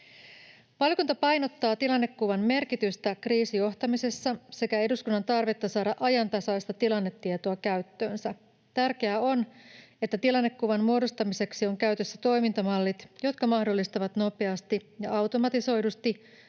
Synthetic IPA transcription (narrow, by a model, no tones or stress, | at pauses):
ʋɑlkunt̪ɑpɑjno̞t̪ːɑːt̪ilɑnːe̞kːuʋɑmme̞rkit̪yst̪ækriːsijo̞ht̪ɑmise̞sːɑse̞kæe̞duskunːɑnt̪ɑrʋe̞t̪ːɑsɑːdɑʔɑjɑnt̪ɑsɑjst̪ɑt̪ilɑnːet̪ːiet̪oɑkæɥt̪ːøːnsæ | t̪ærk̟e̞æo̞ne̞t̪ːæt̪ilɑnːe̞kːuʋɑnmuo̞dost̪ɑmise̞ksio̞ŋkæyt̪ø̞sːæt̪o̞jmint̪ɑmɑlːit̪jo̞t̪kɑmɑhdo̞lːist̪ɑʋɑt̪no̞pe̞ɑst̪ijɑɑwt̪o̞mɑt̪iso̞jdust̪i